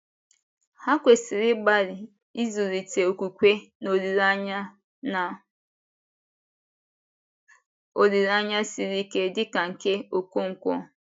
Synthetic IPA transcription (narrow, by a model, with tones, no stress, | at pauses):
ha˦kʷe˨si˨ɾɪ˦ɡ͡ba˦ɾɪ˨ | i˦zu˨ɾi˨te˨o˨kʷu˨kʷe˦no˨ɾi˨ɾa˦ | a˨ | o˨ɾi˨ɾa˦ɲa˦si˨ɾi˦ke˦dɪ˦ka˨ŋ̩˨ke˦o˨ko˦ŋ̩˨kʷɔ̰˦